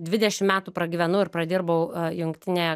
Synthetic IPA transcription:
d̪ʲʋʲɪd̪ʲɛʃʲɪmmʲæːt̪uːpɾɐɡʲiːʋʲɛnʊɪɾpɾɐd̪ʲɪːɾbɐʊjʊŋkt̪ʲɪnʲejɛ

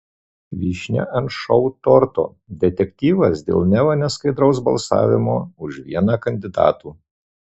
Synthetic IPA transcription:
ʋʲiːʃʲnʲɛ̰ʔɐnt̪ʃɔʊt̪ɔɾt̪o̰ː | d̪ʲɛt̪ʲɛkʲt̪ʲiːʋɐsd̪ʲḛːlˠnʲɛʋɐnʲɛskɐɪd̪ɾɐʊs̬bɐ̰lˠsɑ̰ːʋʲɪmoːʊʃʋʲḭɛnɑːkɐnʲd̪ʲɪd̪ɑ̰ːt̪uː

